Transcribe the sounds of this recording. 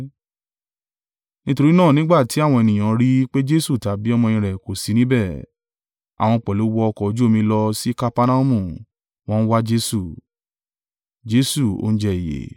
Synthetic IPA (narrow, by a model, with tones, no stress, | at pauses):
nĩ˦to˧ɾi˦nãː˦˨nĩ˦ɡ͡ba˦˨ti˨˦a˦˨w̃ɔ̃˧ɛ˨nĩ˨j̃ã˨ɾi˦k͡pe˦d͡ʒe˦su˦˨ta˨˦bi˦ɔ˦˧mɔ̃˧jĩ˧ɾɛ˨ko˨si˨˦nĩ˦bɛ˦˨ | a̰˨w̃ɔ̃˧k͡pɛ˨lo˨˦wɔ˧ɔ˧kɔ˨˦d͡ʒu˦o˦mĩ˧˦lɔ˧si˦ka˦pa˦nã˦u˦mũ˦˨ | w̃ɔ̃˦n̩˦wa˦d͡ʒe˦su˦˨ | d͡ʒe˦su˦˨o̰˦n̩˦d͡ʒɛ˦i˨jḛ˨˦